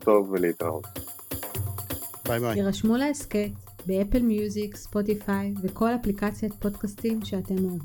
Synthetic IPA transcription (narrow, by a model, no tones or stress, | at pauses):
t̪o̞vːeleit̪ʁa̰o̰t | iʁaʃmulaesket | beepelmjuzikspo̞tifajveko̞laplikat͡sjot̚po̞dkastimʃeate̞moav